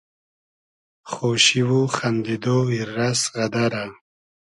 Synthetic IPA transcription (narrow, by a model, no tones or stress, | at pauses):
χoʃiwuχand̪id̪oiɾːasɣad̪aɾa